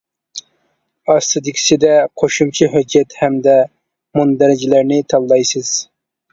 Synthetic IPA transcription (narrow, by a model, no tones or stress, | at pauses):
ɑst̪ɨd̪ɪkʲʰi̥sɪd̪ɛqʰoʃumt͡ʃʰiɦød͡ʒːɛt̪hɛmd̪ɛ | mund̪æɾɪd͡ʒilæɾnɪt̪ʰɑllːˠɑjsɨz̥